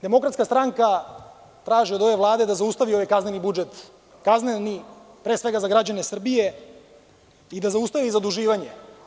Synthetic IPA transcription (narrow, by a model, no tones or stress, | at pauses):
d̪e̞mo̞kɾat̪skast̪ɾaŋka | t̪ɾaːʒeod̪o̞ʋe̞ʋlˠaːd̪ed̪azaust̪aʋio̞ʋajkaznenibud͡ʒet̪ | kazneni | pɾeːsʋeɡazaɡɾad͡ʑanesr̩bije | id̪azaust̪aʋizad̪uʒiːʋaɲe